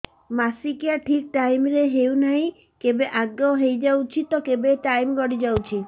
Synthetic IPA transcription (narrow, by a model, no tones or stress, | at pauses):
masikjaʈʰik̚ʈajmɾeɦewnaɦĩ | kebeʔaɡɔɦejd͡ʒawt͡ʃʰit̪ɔkebeʈajmɡɔɽid͡ʒawt͡ʃʰi